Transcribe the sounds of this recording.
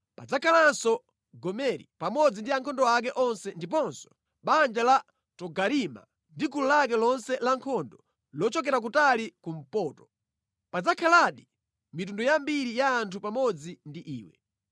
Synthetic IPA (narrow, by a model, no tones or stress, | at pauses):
pad͡zakʰalansɔ | ɡɔmɛɾḭpamɔd͡zindiaŋkʰɔndɔak̬ɛʔɔnsɛndip̬ɔnsɔ̥ | ɓand͡ʒala | tɔɡaɾima̰ | ndikululak̬ɛlɔnsɛlaŋkʰɔndɔ | lɔt͡ʃɔk̬ɛɾak̬utalikum̩pɔːtɔ̥ | pad͡zakʰalaɗi | mitundɔjambiɾijaːntʰupamɔd͡zindiʔḭːwɛ̰